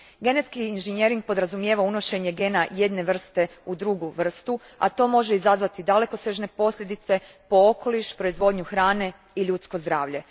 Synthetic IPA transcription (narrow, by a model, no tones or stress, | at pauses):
ɡe̞net̪skiːnʒenje̞ɾiŋɡ̚po̞d̪ɾazumjeʋauno̞ʃe̞ɲeɡe̞ːnaje̞d̪ne̞ʋr̩st̪e̞ud̪ɾuɡuʋr̩st̪u | a̰t̪o̞ːmo̞ʒeizazʋat̪id̪ale̞ko̞seʒne̞po̞slʎʲe̞d̪it̪se̞ | po̞okʰo̞liʃpɾo̞izʋo̞ːd̪ɲuxɾaːne̞ | iʎut̪sko̞zd̪ɾaːʋʎe̞